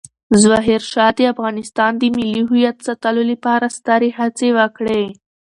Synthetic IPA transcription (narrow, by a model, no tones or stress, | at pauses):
zwaɦeɾʃɑd̪əafɣɑnɪst̪ɑnd̪əmɪliɦujat̪sat̪aloləpɑɾast̪ɑɾehat͡sewəkɽe